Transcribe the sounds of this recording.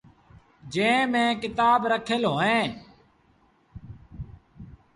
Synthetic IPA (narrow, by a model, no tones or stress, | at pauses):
d͡ʒẽːmẽːkɪt̪aːbɾəkʰəlɦoːẽː